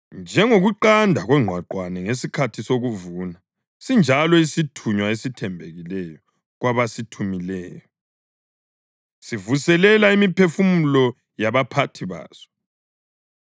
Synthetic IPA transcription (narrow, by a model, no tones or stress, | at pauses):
nd͡ʒʱɛŋoɣuǃandʱaɣwɛŋ͡ǃʱwaǃwanɛŋesikʰatʰisoɣuvuna | sind͡ʒʱalɔisitʰuɲwaesitʰɛmbʱeɣilɛjɔ | ɣwaβasitʰumilɛːjɔ | sivusɛlɛlaimipʰefumulɔ | jaβapʰatʰiβa̰ːz̥ɔ̥